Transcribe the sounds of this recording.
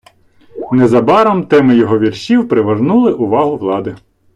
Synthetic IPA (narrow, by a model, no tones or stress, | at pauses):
nɛzɐbɑɾɐmt̪ɛmɪjɔɦɔʋʲirʃʲiwpɾɪʋɐʒnulˠɪʔʊʋɑɦʊʋlˠɑd̪ɪ